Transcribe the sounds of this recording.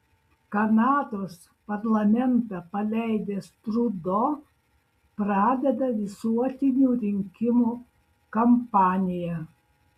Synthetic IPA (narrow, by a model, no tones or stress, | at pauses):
kɐnɑːt̪oːs | pɐɾlˠɐmʲɛnt̪ɐpɐlʲɛɪd̪ʲeːst̪ɾud̪o | pɾɑːd̪ʲɛd̪ɐʋʲɪsuɔt̪ʲɪnʲuːɾʲɪŋʲkʲɪmuː | kɐmpɑːnʲɪjɛ